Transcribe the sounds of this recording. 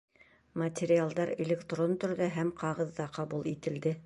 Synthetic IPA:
mɐtʲeɾʲɪalˠd̪ɑɾḛlʲekt̪ront̪ɵ̆ɾðæɦæmqɑʁɤ̆ðːɑqɑbulˠit̪ɘ̆ld̪ɘ

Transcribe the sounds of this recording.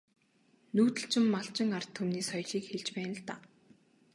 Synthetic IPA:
nuːt̪ɘ̆ɬt͡ɕɪ̆mːaɬt͡ɕɪ̆ŋar̥t̪ʰːumniːsɔjɮiːkxeɮt͡ɕpæːnə̆ɮt̪aː

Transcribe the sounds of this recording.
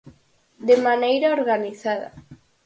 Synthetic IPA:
d̪emanejɾaoɾɣaniθaða̰

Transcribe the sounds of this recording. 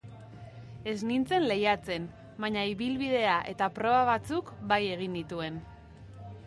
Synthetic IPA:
e̞znint͡se̞nle̞jat͡se̞n | baɲaiβilβið̞e̞aʔe̞̰t̪apɾo̞βaβ̞at͡sukbaje̞ɣ̞ind̪it̪ue̞n

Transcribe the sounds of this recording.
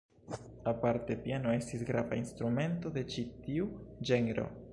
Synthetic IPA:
apaɾte̞piano̞e̞stisɡɾava̰inst̪ɾume̞nto̞d̪e̞t͡ʃitiud͡ʒe̞neɾo̞̰

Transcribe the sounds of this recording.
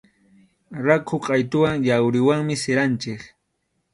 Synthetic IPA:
ɾakʰʊqʼɑjt̪ʊwaŋjawɾɪwaŋmɪseɾant͡ʃɪk

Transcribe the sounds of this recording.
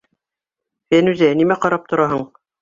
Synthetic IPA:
fænʉzænimæqɑɾɑp̚t̪ŏɾɑɦɤɴ

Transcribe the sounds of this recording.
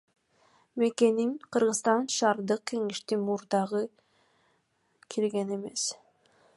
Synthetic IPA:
me̞ke̞ninqʰɯɾʁɯzst̪ɑnʃɑːɾd̪ɯq̚ke̞ŋeʃt̪imuɾd̪ɑʁɯ | kʰilɡe̞ne̞me̞s

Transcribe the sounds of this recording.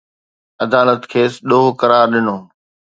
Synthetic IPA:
ɐd̪aːlət̪kʰeːsɗoːɦkɐɾaːɾɗɪnoː

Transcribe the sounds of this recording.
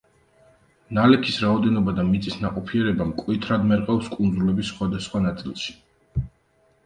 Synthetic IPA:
nalɛkʰisɾaɔd̪ɛnɔbad̪amit̪sʼisnaqʼɔpʰiɛɾɛbamkʼwit̪ʰɾad̪mɛɾqʼafskʼund̪zulɛbisːχwad̪asχwanat̪sʼilˠʃi̥

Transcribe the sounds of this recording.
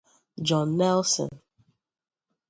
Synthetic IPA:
d͡ʒɔ̃nːɛlsɔ̰̃n

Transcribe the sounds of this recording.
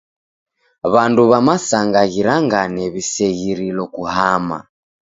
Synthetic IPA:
βanduβamasaŋɡaɣiɾaŋɡanɛβisɛɣiɾilɔkuhama̰

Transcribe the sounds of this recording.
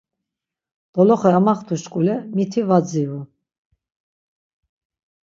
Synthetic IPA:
d̪̥ɔlɔχɛamaχt̪ʰuʃkʼulɛmit̪ʰivad͡ziu

